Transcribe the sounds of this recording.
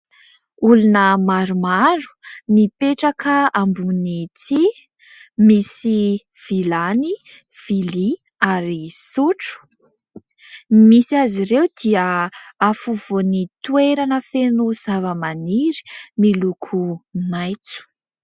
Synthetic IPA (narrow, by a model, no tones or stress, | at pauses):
ulunəmaɾumaɾu̥mipeʈ͡ʂakəambunit͡si | misi | v̥ilani | v̥ili | aɾisuʈ͡ʂu̥ | misiaziɾewd̪iəafuvonit̪ueɾanəfenuz̥avəmaniɾi̥milukʰumajt͡su̥